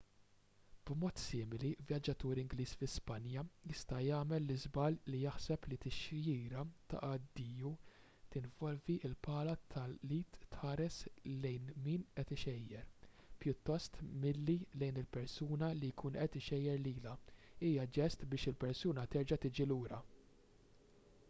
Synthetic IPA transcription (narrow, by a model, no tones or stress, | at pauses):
b̥mɔːt̪sɪːmɪlivjɐd͡ʒːɐt̪uːɾɪŋɡliːsfɪspɐnjɐjɪst̪ɐjɐːmɛlːɪzbɐllijɐħsɛplit̪ɪʃjiːɾɐt̪ɐ̰ʔɐd̪ːiːju | t̪ɪnvɔlviʔɪlpɐːlɐt̪ʰɐlːiːt̪ːħɐːɾɛslɛjnmiːnɛt̪ɪʃɛjːɛɾpjʊt̪ːɔst̪mɪlːilɛjnɪlpɛɾsuːnɐlijkʰuːnʔɛt̪ɪʃɛjːɛɾliːlɐiːjɐd͡ʒɛst̪bɪːʃɪlpɛɾsuːnɐt̪ɛɾd͡ʒɐt̪ɪːd͡ʒiluːɾɐ